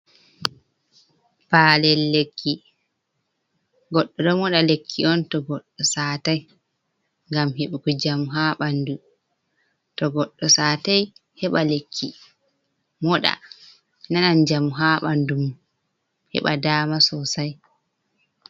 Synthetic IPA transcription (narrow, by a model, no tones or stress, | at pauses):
paːlɛlːekʰːi | ɡɔɗːɔɗɔmɔɗalekʰːiɔntɔɡɔɗːɔsaːtaj | ŋɡamɦeɓukɔd͡ʒamuɦaːɓandu | tɔɡɔɗːɔsaːtajhɛɓalekʰːi | mɔɗa̰ | nanand͡ʒamuɦaːɓandum | hɛ̰ɓa̰daːmasɔsaj